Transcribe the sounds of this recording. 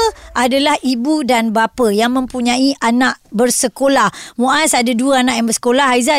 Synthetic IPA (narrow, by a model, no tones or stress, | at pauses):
ʔadalahibudanbapajaŋmə̃mpuɲãiʔanaʔbərsəkolahmuʔasadaduaanãʔjaŋbərsə̥kolahɦaiza